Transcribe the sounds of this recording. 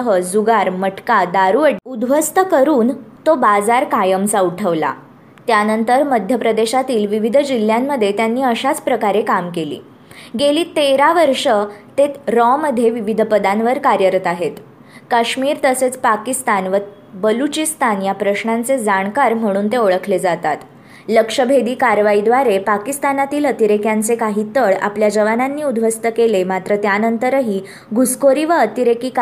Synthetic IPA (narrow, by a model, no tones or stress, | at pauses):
ɦəd͡zuɡaɾməʈkad̪aɾuʋəɽud̪ʋəst̪əkəɾuːnt̪obad͡zaɾkajəmsauʈʰəʋla̰ | t̪janənt̪əɾməd̪ʱjəpɾəd̪eɕat̪iːlʋiʋid̪ʱəd͡ʑil̤jamːəd̪ʱjet̪janːiːəɕat͡spɾəkaɾekamkelḭː | ɡeliːt̪eɾaʋəɾʂət̪et̪ɾɔməd̪ʱjeʋiʋid̪ʱpəd̪anʋəɾkaɾjəɾət̪aɦet̪ | kaɕmiːɾt̪əset͡spakist̪anʋə | bəlut͡ɕist̪anjapɾəɕɳant͡sed͡zaɳ̃kaɾm̤əɽ̃uːnt̪eoɭəkʰled͡zat̪at̪ | ləkʂəbʱed̪iːkaɾʋaid̪ʋaɾepakist̪anat̪iːlət̪iɾekjant͡sekaɦiːt̪əɭa̰pljad͡ʑəʋananːiːud̪ʱʋəst̪əkelemat̪ɾət̪janənt̪əɾəɦiː | ɡʱuskoɾiːʋəət̪iɾekiːk